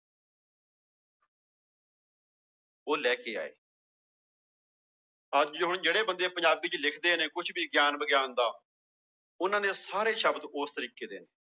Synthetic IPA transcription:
oːlɛːkeːa̰ːḛː | əd͡ʒd͡ʒɦʊɳd͡ʒeːɽeːbənd̪eːpə̃ɲd͡ʒaːbiːt͡ʃlɪkʰd̪eːnẽːkʊt͡ʃʰbʱiːɡjaːnbəɡjaːnd̪aː | ʊnãːd̪eːsaːɾeːʃəbd̪oːst̪əɾiːkeːd̪eːneː

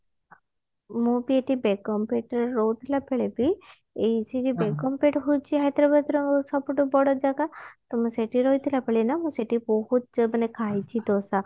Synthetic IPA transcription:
mũbieʈibekɔmpeʈɾɔwt̪ʰilapeɭebi | esiʈibekɔmpeʈɦujt͡ʃʰiɦajt̪ɾɔbət̪ɾɔsɔbʈobɔɽɔd͡ʒaɡat̪ɔmũseʈiɾɔit̪ʰilapeɭinamũseʈibɔɦut̪manekʰajt͡ʃʰit̪osa

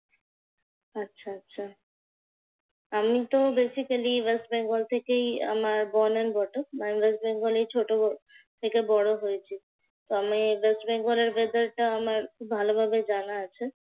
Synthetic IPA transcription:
atːɕʰaatːɕʰa | amit̪obesikaliwesʈbɛŋɡolt̪ʰekeja̰maɾbɔnenbʱɔʈomanwesʈ̚beŋɡolejt͡ɕʰoʈo | t̪ʰekebɔɽoɦojet͡ɕʰi | t̪oamiwesʈbeŋɡoleɾbed̪aɾʈaamaɾkʰubbʱalobʱabed͡ʑanaat͡ɕʰe

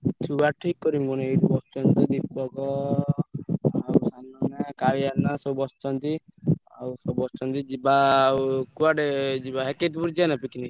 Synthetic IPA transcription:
t͡ʃʰubaʈʰikkːɔɾimɡɔneejʈupɔt̪ɔnt̪ɔd̪ipːɔɡɔ | awsanɔnakaɭianasɔbɔst̪ɔnt̪i | a̰wsɔbɔst̪ɔnt̪id͡ʒiba | kuaʈed͡ʒibaɦeket̪puɾd͡ʒanapikini

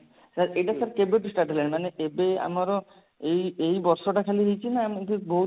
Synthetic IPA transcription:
saɾeʈasaɾkebeʈisʈaʈeleɳmaneʔebea̰maɾɔ | ejejbɔɾsɔʈakʰaliɦejt͡ʃʰinaːmt̪ibɔɦu

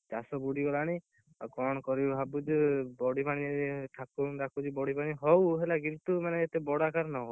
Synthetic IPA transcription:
d͡ʒasɔbuɽiɡɔlaɽ̃i | kɔɽ̃ɔkɔɾibʱabud͡ʒubɔɽipaɽ̃iʈʰakud̪akʰud͡ʒibɔɽipaɽ̃iɦɔwɦelaɡilt̪umaneːt̪ebɔɽakaɾnɔɦow

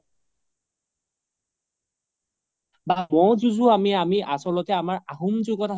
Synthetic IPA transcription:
bamɔzuzuamiamiʔasɔlɔtɛamaɹaɦumzʊɡɔta

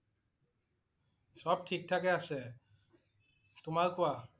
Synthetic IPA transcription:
sɔb̚tʰik̚tʰakɛasɛ | t̪ʊmaɹkowa

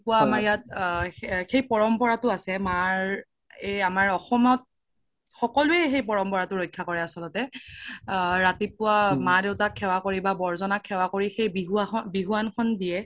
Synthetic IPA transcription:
pʊwaamaɹjat̚ | xejpɔɹɔmpɔɹatʊasɛmaɹ | eamaɹɔxɔmɔt̚ | xɔkɔluɛxejpɔɹɔmpɔɹatʊɹojkʰːakɔɹɛasɔlɔtɛ | ɹatipʊwamadeʊtakʰːɛwakoɹibabɔɹzɔnakʰːɛwakoɹixejbiɦuabiɦuankʰɔndiɛ

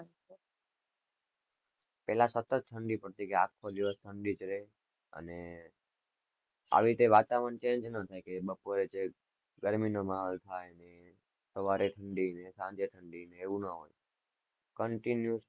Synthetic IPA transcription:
pɛlasət̪ət̪̚ʈʰəɳɖipəɾt̪ikeakʰːod̪iʋəsʈ̪ʰəɳɖit͡ʃəɾe | ə̰ne | a̰ʋit̪eʋat͡ʃaʋənt͡ʃẽɲd͡ʒnət̪ʰajkebəpoɾet͡ʃe | ɡəɾminomaɦəlt̪ʰajne | səʋaɾeʈʰəɳɖinesãɲd͡ʒeʈʰəɳɖineːʋũnəɦo̰j | kəɳʈinju

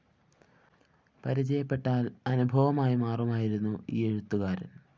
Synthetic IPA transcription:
pɐɾit͡ɕɐjɐpːe̞ʈːaːlɐnubʱɐʋɐmaːjimaːrɐmaːjiɾunːuḭːeɻut̪ːuɣaːɾṵm

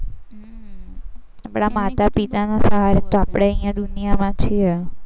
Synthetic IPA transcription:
abɽ̃amat̪apit̪anasəɦaɾet̪oapɽ̃eə̃ɦĩjãd̪ʊnijamãt͡ʃʰiɛ

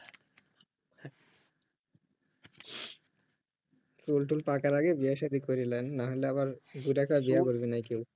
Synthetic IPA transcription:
sulʈulpakaɾaɡebiaʃad̪ikoɾilenːaɦoleabaɾɡuɖakabijakoɾbinajkew

